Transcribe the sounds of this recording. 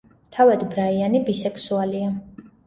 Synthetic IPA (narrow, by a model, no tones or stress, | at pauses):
t̪ʰavad̪bɾaianibisɛkʰsualia